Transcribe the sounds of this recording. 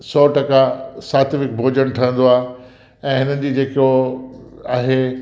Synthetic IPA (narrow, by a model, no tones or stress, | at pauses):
sɔːʈɐkasaːt̪ʋɪk̚bʱoːd͡ʑəɽ̃ʈʰɐə̃n̆d̪oaːɦe | ɛ̃ːɦɪnənɪ̆d͡ʑiːd͡ʑeːkijo | aːɦeː